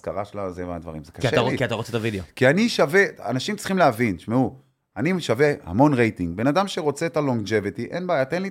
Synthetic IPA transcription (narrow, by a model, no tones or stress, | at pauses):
skaʁaʃlazevead̪va̰ʁimzekaaaikiat̪aʁot͡set̪avid̪eokianiʃavea̰naʃimtt͡sliχimleavinʃmeu | aniʃave̞ha̰mo̞nʁejtiŋɡbe̞nadamʃe̞ʁo̞t͡seːt̪aloŋd͡ʒe̞vitiʔenbaːjat̪enli